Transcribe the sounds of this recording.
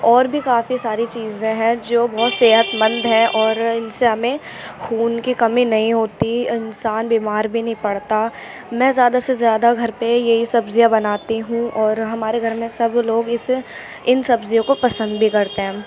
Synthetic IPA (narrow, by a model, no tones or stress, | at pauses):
ɔːɾbʱikaːfisaːɾit͡ʃiːzẽɦɛ̃d͡ʒoːbɔːt̪seːɦət̪mɐ̃nd̪ɦɛ̃ʔɔːɾɪnseɦɐmẽ | xuːnkikɐmĩnɐɦĩɦoːt̪iɪnsaːnbiːmaːɾbʱinɐɦĩpɐɽt̪a | mɛ̃ːzjaːd̪asezjaːd̪aɡʱɐɾpejɐɦisɐbzijabɐnaːt̪iɦũɔːɾɦɐmaːɾeɡʱɐɾmẽsɐbloːɡɪs | ɪnsɐbzijõkopɐsə̃nd̪bʱikɐɾt̪eɦɛ̃